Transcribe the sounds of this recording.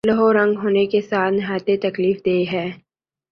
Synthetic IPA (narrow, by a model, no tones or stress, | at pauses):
ləɦoɾɐ̃ŋɡɦoːnekesaːt̪ʰnɪɦaːjt̪et̪ɐkliːfd̪eːɦɛː